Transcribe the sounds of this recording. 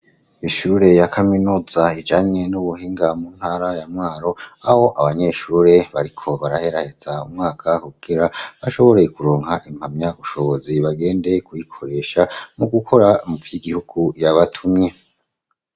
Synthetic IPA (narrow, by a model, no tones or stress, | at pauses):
iʃuːɾe̞jakʰaminuːzaid͡ʒaɲe̞nuβuhiːŋɡamuːn̥haːɾajamŋwaːɾo̞aho̞ʔaβaɲe̞ʃuːɾe̞βaɾikʰo̞βaɾahe̞ɾahez̥aumŋaːkʰakuɡ̥iɾaβaʃo̞βo̞ɾe̞kuɾoːŋhaʔim̥hamɲauʃo̞βo̞ziβaɡe̞ːnde̞kujikʰo̞ɾe̞ːʃamuɡukʰo̞ɾamuvjiɡihuɡ̥ujaβatʰumɲe̞